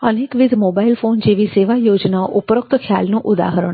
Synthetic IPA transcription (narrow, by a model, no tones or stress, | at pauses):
ənekʋid̪ʱmobailfond͡ʒeʋiseʋajod͡ʒnaoʔupɾək̚t̪əkʰjalnũʔud̪a̰ɦəɾəɳ